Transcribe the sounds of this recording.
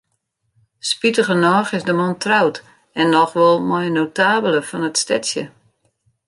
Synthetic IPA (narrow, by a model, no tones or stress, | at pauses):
spitəɣənɔːxɪzdəmɔntrawt | ɛnːɔxʋɔlˠmɔjnowtaːbələfɔnətstɛtsjə̰